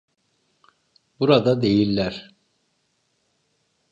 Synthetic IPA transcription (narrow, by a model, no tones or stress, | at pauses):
buɾad̪ad̪e̞jilʲːæɾ̥